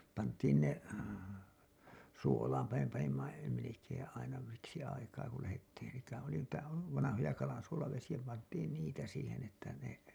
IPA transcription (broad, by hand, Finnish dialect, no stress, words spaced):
pɑntˑiːn ne suolɑːmpɑ me pɑnimːɑ melekeːẽ ɑinɑ siksi ɑikɑː ku læhetːiːn sitæ oli niːtæ ʋɑnɑhojɑ kɑlɑnsuolɑʋesij̆æ pɑntˑiːn niːtæ siːhen etːæ ne